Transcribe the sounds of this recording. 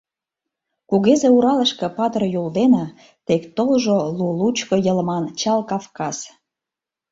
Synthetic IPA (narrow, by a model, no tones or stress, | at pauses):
kuɣezeuɾɑləʃkĕpɑt̪ərjold̪enɑ | t̪ekt̪olʒolulut͡ɕkojə̆ləmɑnt͡ɕɑlkɑfkɑz̥